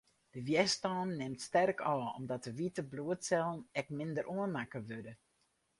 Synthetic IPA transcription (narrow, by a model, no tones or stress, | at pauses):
d̥əʋjɛstɔːnːɪmtstɛrkʰɔːɔ̰mdɔt̚əʋitəbluətsɛlˠnɛk̚mɪndəɾʔuənmakəʋødə